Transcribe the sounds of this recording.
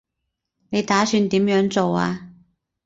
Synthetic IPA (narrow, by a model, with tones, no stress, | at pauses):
ne˨˧jt̪aː˨˥syː˧nt̪iː˨˥mjœː˨˥ŋt͡so˨wa̰ː˧